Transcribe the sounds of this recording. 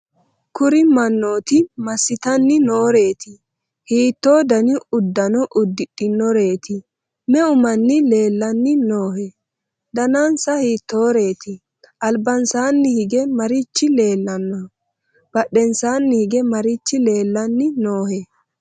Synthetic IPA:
kʊɾɪmɐnːo̞ːt̪ɪmɐsːɪt̪ɐnːɪno̞ːɾe̞ːt̪ɪ | hiːt̪ːo̞ːd̪ɐnɪʊd̪ːɐnɔʔʊd̪ːɪɗɪnɔɾe̞ːt̪ɪ | mɛʊmɐnːɪle̞ːlːɐnːɪnoːhɛ | d̪ɐnansɐhiːt̪ːo̞ːɾe̞ːt̪ɪ | ʔɐlbɐnsaːnːɪhɪɡɛmɐɾɪt͡ʃːɪle̞ːlːɐnːɔ | b̥ɐɗːɛnsaːnːɪhɪɡɛmɐɾɪt͡ʃːɪle̞ːlːɐnːɪnoːhɛ

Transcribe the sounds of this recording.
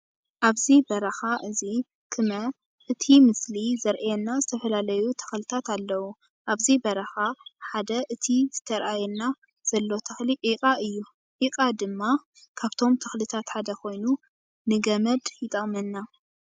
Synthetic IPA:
ʔaβzibɐɾɐxaʔɨzi | kʰɨmɐ | ʔɨt̪ʰimɨslizɐɾʔjɛnːazɨt̪ʰɐfɐlalɐjut̪ʰɐ̥xlɨt̪ʰat̪alːɐwu | ʔaβzibɐɾɐxaħad̪ɐʔɨt̪ʰizɨt̪ʰɐɾʔajɛnːa | z̥ɐlːo̞t̪ʰɐxliʕikʼaʔɨjːu | ʕikʼad̪ɨmːa | kʰaβt̪ʰo̞mt̪ʰɐ̥xlɨt̪ʰat̪ħad̪ɐkʰo̞jnu | nɨɡɐmɐd̪jɪt̪ʼɐkʼmɐnːa

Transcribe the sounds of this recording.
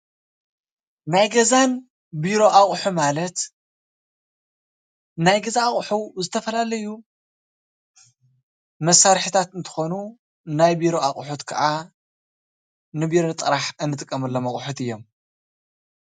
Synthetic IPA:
najɡɐzan | biɾo̞ʔaχʼħumalɐt̪ | najɡɐzaːχʼħuzɨt̪ʰɐfɐlalɐju | mɐsːaɾħit̪ʰat̪ɨnt̪ʰɨ̥xo̞nu | najbiɾo̞aχʼħut̪kʰɐ̰ʕa | nɨbiɾont̪ʼɨɾaħɨnːɨt̪ʼɨkʼːɐmɨlːomɐχʼħut̪ɨjːo̞m

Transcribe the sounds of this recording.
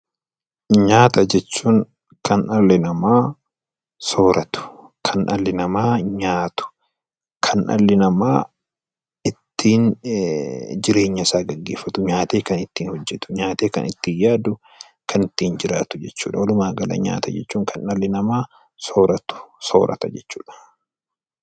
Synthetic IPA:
ɲaːt̪ɐd͡ʒɛt͡ʃːuːŋ | kɐnʔɐlːɪnɐmaː | so̞ːɾɐt̪ʊ̥kʰɐnʔɐlːɪnɐmaːɲaːt̪ʊ̥ | kʰɐnʔɐ̰lːɪnɐmaː | ɪt̪ʰːiːn | d͡ʒɪɾe̞ːɲːɐɪsaːɡɐɡːeːfːɐt̪ʊɲaːt̪e̞ːkɐnɪt̪ːiːnhɔd͡ʒːɛt̪ʊ̥ɲaːt̪eːkɐ̰nɪ̰t̪ːiːjaːd̪ʊ | kʰɐnɪt̪ːiːnd͡ʒɪɾaːt̪ʊd͡ʒɛt͡ʃːṵːᶑɐwɔlʊmaːɡɐlɐ̰ɲa̰ːt̪ɐ̰d͡ʒɛ̰t͡ʃːuːŋkʰɐnɐlːɪnɐmaː | so̞ːɾɐt̪ʊ̥so̰ːɾʔɐ̰t̪ɐd͡ʒɛt͡ʃːu̥ːᶑɐ̥

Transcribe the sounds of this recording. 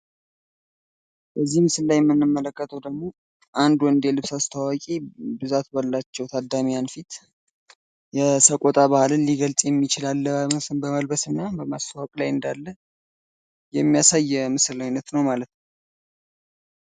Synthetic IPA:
bəzːihmɨsɨllajɛmːɨnːɨmːələkːət̪ʰəwd̪əɡmo̞ | ʔand̪uwɨnd̪elɨβsast̪ʰawakʼibɨzat̪balːat͡ʃːɛwt̪ʰad̪amijanfit̪ | jɛsəkʼot̪ʼaβahlɨnliɡəlsʼjɛmːit͡ʃɪlalːəbəməlbəsɨnːabəmast̪awakʼlajɨnd̪alːə | jɛmːijasajːɛmɨsɨlajnət̪nəwmalət̪nə

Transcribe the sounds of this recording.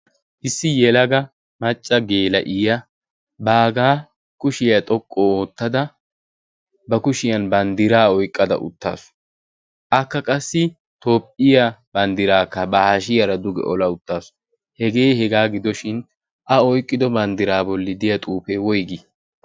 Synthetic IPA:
ʔɪsːɪjɛlɐɡɐ | mɐt͡ʃʼːɐɡe̞ːlɐ̰ʔɪjɐ | baːɡaː | kʊʃɪjɐt̪ʼɔkʼːoːt̪ːɐd̪ɐ | bɐkʊʃɪjɐnbɐnd̪ɪɾaːɔjkʼːɐd̪ɐ̰ʔʊ̰t̪ːa̰ːsʊ̥ | ʔɐkːɐkʼɐsːɪ | t̪o̞ːpʼːɪjɐbɐnd̪ɪɾaːkːɐbɐhaʃɪjɐɾɐd̪ʊɡɛ̰ʔɔlɐʊt̪ːaːsʊ̥ | hɛɡe̞ːhɛɡaːɡɪd̪ɔʃɪn | ʔɐɔjkʼːɪd̪ɔbɐnd̪ɪɾaːbɔlːɪd̪ɪjɐt̪ʼuːfewɔjɡi

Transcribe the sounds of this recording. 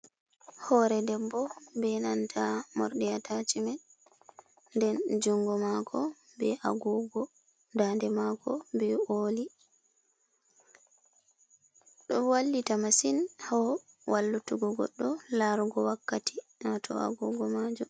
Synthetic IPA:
hɔɾɛdɛbːɔbɛnantʰamɔ̰ɾɗɛjatʰat͡ʃimɛ | dɛnd͡ʒuŋɡɔmakʰɔ | bɛʔa̰ɡɔɡɔ | dandɛmakɔbɛoːli | ɗɔwalːitamasinhɔ | wʔalːutuɡɔɡɔ̰ɗːɔlaɾɡɔwakːati | hatʰɔ̰a̰ɡuɡɔmad͡ʒum

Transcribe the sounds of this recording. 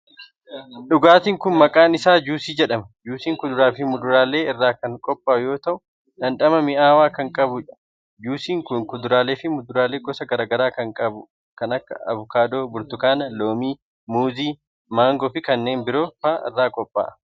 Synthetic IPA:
ᶑʊɡaːt̪ɪːŋkʊnmɐkʼaːnɪsaːd͡ʒuːsiːd͡ʒɛᶑɐmɐd͡ʒuːsiːŋkʊd̪ʊɾaːfɪmʊd̪ʊɾaːle̞ːɪrːaːkɐŋkʼɔpʼːaːʔʊjo̞ːt̪ɐʔʊ | dɐnᶑɐmɐmɪʔaːwaːkɐŋkʼɐbʊɐ | d͡ʒuːsiːŋkʊŋkʊd̪ʊɾaːle̞ːfɪmʊd̪ʊɾaːleːɡɔsɐɡɐɾaːɡɐɾaːkɐŋkʼɐbʊ | kɐnɐkːɐɐ̰βʊkaːd̪o̞ːbʊɾt̪ʊkaːnɐloːmiː | muːziː | maːŋɡɔfɪkɐnːe̞ːnbɪɾoːfaːʔɪ̰rːaːkʼɔpʼːa̰ːʔɐ

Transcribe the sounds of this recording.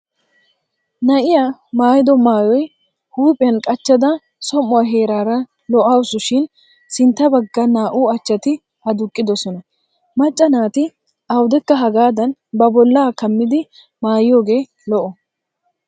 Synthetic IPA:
nɐʔɪjaːmaːjɪd̪ɔmaːjɔj | huːpʼɪjɐnkʼɐt͡ʃːɐd̪ɐ | sɔmːɔwɐɦe̞ːɾaːɾɐ | lɔʔɐwʊsʊʃɪn | sɪnt̪ːɐbɐɡːɐnaːʔuɐt͡ʃːɐt̪ɪ | ɐd̪ʊkʼːɪd̪ɔsɔnɐ | mɐt͡ʃʼːɐnaːt̪ɪ | ɐwd̪ɛkːɐɦɐɡaːd̪ɐnbɐbɔlːaːkɐmːɪd̪ɪ | maːjɪjoːɡe̞ː | lɔʔɔ

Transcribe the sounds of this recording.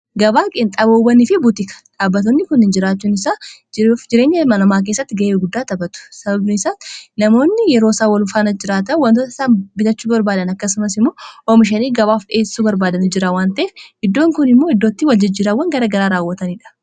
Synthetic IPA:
ɡɐbaːkʼɪnt̪ʼɐbobɐnɪfɪbʊt̪ɪkɐ̥ᶑaːbːɐt̪̬onːɪkʊnɪnd͡ʒɪɾaːt͡ʃːuːnɪsaːd͡ʒd͡ʒɪɾe̞ːɲːɐmɐnɐmaːk̬eːsːɐt̪ːɪɡɐʔeːɡʊd̪ːaːt̪ɐbɐt̪ʊ̥sɐbɐbnɪɪsaːsnɐmo̞ːnːɪjɛɾo̞ːsaːwɐlʊfaːnɐd͡ʒɪɾaːt̪ɐwɐnt̪ɔt̪ːɐɪsaːnbɪt̪ɐt͡ʃːuːbɐɾbaːd̪ɐnɐkːɐsʊmɐs̬ɪmːo̞ːʔɔmɪʃ̬ɐniːɡɐβaːfᶑeːsuːbɐɾbaːd̪ɐnɪd͡ʒɪɾawaːnt̪ɐʔeːfɪd̪ːo̞ːŋkʊnɪmːo̞ːɪd̪ːo̞ːt̪ːɪwɐld͡ʒɐd͡ʒiːɾawːɐŋɡɐɾɐɡɐɾaːɾaːwːɐt̪ɐniᶑɐ̥

